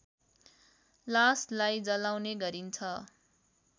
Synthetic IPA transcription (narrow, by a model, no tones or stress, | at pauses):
laslajd͡zʌlawneɡʌɾint͡sʰʌ